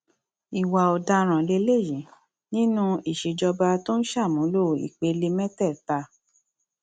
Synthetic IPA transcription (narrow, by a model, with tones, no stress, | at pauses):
i˨wa˨ɔ˨da˧ɾ̃ã˨le˧˦le˦˨jĩ˨˦ | nĩ˦nũ˦i˨ʃe˨d͡ʒɔ˧ba˧to˦n̩˦ʃa˦˨mũ˨˦lo˦˨ḭ˨k͡pe˨˧˦le˧mɛ˦tɛ˦˨ta˧